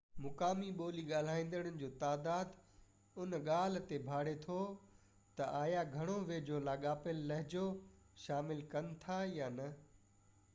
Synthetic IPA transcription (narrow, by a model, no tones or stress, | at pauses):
mʊkaːmiɓoːliɠaːl̤aːĩːnd̪əɽ̃ənɪ̆d͡ʑoːt̪aːd̪aːd̪ | ʊnɠaːl̤t̪ebʱaːɽet̪ʰo | t̪ɐʔaːjaɡʱɐɽ̃oʋeːd͡ʑolaːɠaːpɪlːɐɦɪd͡ʑo | ʃaːmɪlkɐnɪ̆t̪ʰajaːnɐ